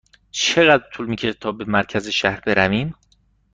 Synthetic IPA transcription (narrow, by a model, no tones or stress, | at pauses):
t͡ʃʰe̞ɣæd̪ɾt̪ʰuːlmiːcʰet̪ʰɒːbe̞mæɾcʰæze̞ʃæhɾbe̞ɾæviːm